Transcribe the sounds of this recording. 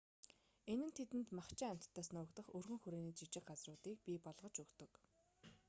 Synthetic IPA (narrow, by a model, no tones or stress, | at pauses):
enɘ̆nt̪ʰet̪ɘ̆nt̪maχt͡ɕɪːŋæm̥ʲt̪ʰːœːsnʊːkt̪ə̆χɵrɣɵ̆ŋxuɾeːniːt͡ɕit͡ɕɪ̆qɢat͡srʊːt̪iːk̚pʲipɔɮʁɞ̆t͡ɕɵkt̪ɵ̆k